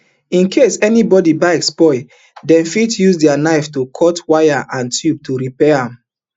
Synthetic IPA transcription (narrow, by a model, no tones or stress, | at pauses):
ĩnkʰesɛnibɔdibaɪɛkspɔɪ | dɛ̃mfitjusdɛanaɪftokʰɔtwajaʔãntʰjub̚tuɹipɛãm